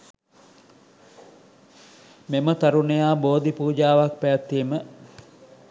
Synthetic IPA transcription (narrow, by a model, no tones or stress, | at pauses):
memət̪aɾunejaːboːd̪ipuːd͡ʒaːʋak̚pæjat̪ːiːmə